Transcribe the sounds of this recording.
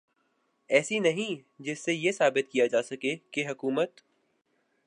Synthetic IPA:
ɛːsinɐɦĩd͡ʒɪsːejesaːbɪt̪̚kijad͡ʒaːsɐkekeɦɐkuːmət̪

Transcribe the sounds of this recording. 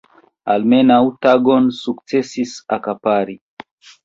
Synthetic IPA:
almenawtaɡonsuk̚t͡sesisakapaɾi

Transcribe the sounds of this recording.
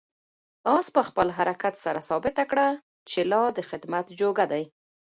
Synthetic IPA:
ɑspəxpəlɦaɾakat̪saɾasɑbɪt̪akɽa | t͡ʃelɑd̪əxɪd̪mat̪d͡ʒoɡad̪aj

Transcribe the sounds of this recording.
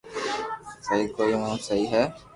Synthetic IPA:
sɐɦikoːiʋãːũsəɦiɦɛː

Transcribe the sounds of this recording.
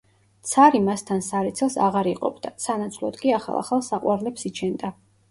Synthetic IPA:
t̪sʰaɾimast̪ʰansaɾɛt̪sʰɛlˠsa̰ʁaɾiqʼɔ̰bʰd̪̥asanat̪sʰulˠɔd̪kʼiaχa̰lˠa̰χalˠsaqʼwaɾlɛpsit͡ʃʰɛnd̪a

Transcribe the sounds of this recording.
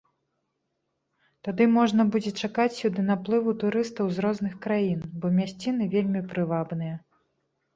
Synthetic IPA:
t̪ad̪ɨmɔʐnɐbud͡zʲɛt͡ʂakat͡sʲsʲud̪ɨnaplˠɨvut̪uɾɨst̪ɐwzɾɔznɨxkɾajinbɔmʲasʲt͡sʲin̪ɨvʲelʲmʲipɾɨvabnɨjɐ

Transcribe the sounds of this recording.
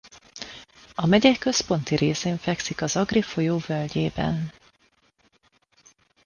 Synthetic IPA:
ɒmɛɟɛkkːø̞spo̞nt̪iɾʔeːseːɱfɛksikɒzɒɡrifo̞joːvølɟeːbɛ̰n

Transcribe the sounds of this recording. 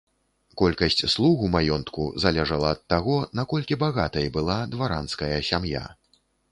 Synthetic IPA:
kɔlʲkɐsʲt͡sʲslˠuɣumajɔnt̪kṵzalʲɛʐɐlˠɐːt̪ːaɣɔnakɔlʲkʲibaɣat̪ɐjbɨlˠad̪vaɾanskɐjɐsʲamja̰

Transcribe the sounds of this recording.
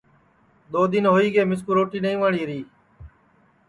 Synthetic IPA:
ɗ̪oːd̪ɪnɦoːiːɡeːmɪskuɾoːʈiːnəĩːʋəːɳiːɾiː

